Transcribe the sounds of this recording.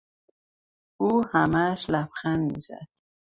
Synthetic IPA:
uhamaʃlapχanmiza̰d̪̥

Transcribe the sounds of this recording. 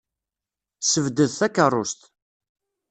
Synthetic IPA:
səvd̪əðθækːərˤːʊst̪

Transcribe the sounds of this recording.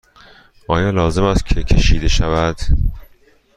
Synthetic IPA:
ʔɒːjɒːlɒːze̞mæst̪cʲʰe̞cʰe̞ʃiːd̪e̞ʃævæd̪̥

